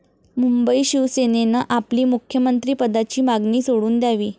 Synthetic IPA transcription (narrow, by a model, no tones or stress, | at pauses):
mumbəiːɕiʋsenenaʔapliːmukʰjəmənt̪ɾiːpəd̪at͡ɕiːmaɡniːsoɽuːnd̪jaʋiː